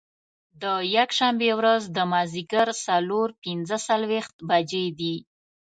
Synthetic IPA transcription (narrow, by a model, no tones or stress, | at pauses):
d̪əjakʃambewɾazd̪əmɑziɡaɾsaloɾpinzəsalwext̪bad͡ʒed̪i